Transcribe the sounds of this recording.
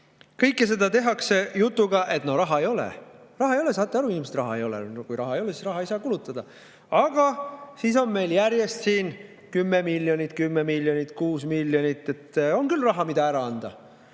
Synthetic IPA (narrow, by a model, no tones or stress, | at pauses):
kɤjkːˑese̞d̪ɑt̪e̞ɦɑkse̞jut̪ˑːuɡ̥ɑʔe̞t̪no̞ɾɑɦɑejo̞lḛrɑɦɑejo̞les̬ɑːt̪ˑːeɑɾuviːmst̪rɑɦɑ̰ejo̞lɛ̰kujɾɑɦɑejo̞lesisrɑɦɑejsɑːkulut̪ːˑɑd̪̥ɑ | ɑɡ̥ɑsiːso̞nme̞jljæɾje̞st̪siːn | kymːemilʲːjo̞nʲit̪̚ˑkymːemilʲjonit̪kuːsmiljonit̪ːˑe̞t̪ːo̞nkylrɑɦɑmid̪ɑæɾɑɑnd̪̥ɑ̰